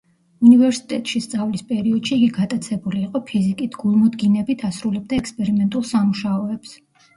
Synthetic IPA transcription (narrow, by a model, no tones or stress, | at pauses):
univɛɾsi̥t̪ʼɛ̰t̪ʼʃist̪sʼavlispʼɛɾiɔd̪̥ʃiːɡiɡat̪ʼat̪sʰɛbuliːqʼɔpʰizikʼit̪ʰɡ̥ulˠmɔd̪ɡinɛbit̪ʰasɾulɛb̚d̪aɛkspʼɛɾimɛnt̪ʼulˠsamuʃaɔɛps